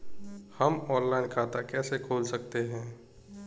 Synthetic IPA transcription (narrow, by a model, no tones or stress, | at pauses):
həmɔːnlaːɪnkʰaːt̪akɛːsekʰoːlsɐk̚t̪eɦɛ̃ː